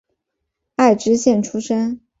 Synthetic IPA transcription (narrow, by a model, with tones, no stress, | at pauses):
a˥˩ɪʈ͡ʂɻ̩˥ɕjɛ˥˩nʈ͡ʂʰu˥ʂə˥n